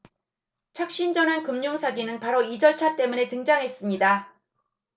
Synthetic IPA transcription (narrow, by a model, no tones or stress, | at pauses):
t͡ɕʰak̚ɕ͈ind͡ʑʌnɦankɯmɲoŋsʰaɡinɯnpaɾoid͡ʑʌɭt͡ɕʰat͈e̞mune̞tɯŋd͡ʑaŋɦe̞s͈ɯmɲida